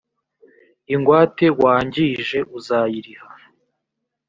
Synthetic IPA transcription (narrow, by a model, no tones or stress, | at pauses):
iŋɡwaːte̞waːɲɟiʒe̞ʔuzaːjiɾiha